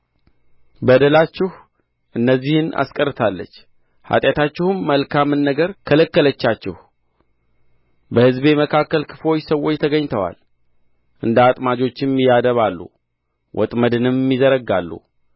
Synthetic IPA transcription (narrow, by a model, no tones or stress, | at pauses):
bəd̪əlat͡ʃːɪh | ʔɨnːəzːihɨna̰skʼərːɨt̪ʰalːə̰t͡ʃː | ha̰t̪ʼjat̪ʰat͡ʃːɪhɨmːəlkʰamɨnːəɡəɾkʰələkːələt͡ʃːat͡ʃːɪ̰h | bəhɨzbe̞məkʰakːəlkʰɨflo̞t͡ʃːsəwo̞t͡ʃːt̪ʰəɡəɲt̪ʰəwa̰l | ʔɨnd̪at̪ʼmad͡ʒo̞t͡ʃːɪmjad̪əβalːṵ | wʔɔ̰t̪ʼməd̪ɨnɨmːizəɾəɡalːṵ